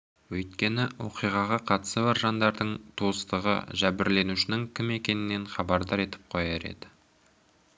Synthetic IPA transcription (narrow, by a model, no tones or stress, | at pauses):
wɵjt̪̚kʲe̞nɪwo̞̰qijʁɑʁɑqʰɑt̪səbɑɾʒɑnd̪ɑɾd̪əɴt̪ʰoəst̪əʁə̰ʒæbɪɾle̞nuʃɪnɪŋkʲʰɪme̞kʲe̞nɪnːe̞nχɑbɑɾd̪ɑɾe̞t̪ɪ̥p̚qʰojeɾḛd̪ɪ̥